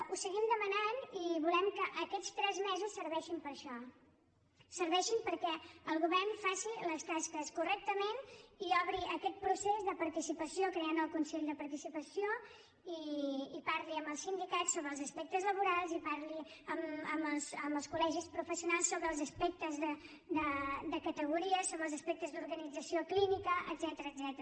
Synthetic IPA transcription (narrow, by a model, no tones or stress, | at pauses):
usəɣimd̪əmənaniβulɛmkəʔəkɛt͡st̪ɾɛzmɛzusːəɾβɛʃimpəɾʃɔ | səɾβɛʃimpəɾkɛəlˠɣuβɛɾnfasiləst̪askəskurɛk̚t̪əmeniɔβɾiʔəkɛt̪̚pɾusezðəpəɾt̪isipəsiokɾeanəlˠkunseʎd̪əpəɾt̪isipəsijo | iːpaɾliəmbəlˠsind̪ikatsːoβɾəlˠzəspɛk̚t̪əzləβuɾalˠzipaɾliəməməlˠsəməlˠskulɛʒispɾufəsiunalˠsːoβɾəːlˠzəspɛk̚t̪əzðə | d̪əd̪əkət̪əɣuɾiəsoβɾəlˠzəspɛk̚t̪əzðuɾɣənid͡zəsioklinikəʔə̰dzɛt̪əɾəːdzɛt̪əɾə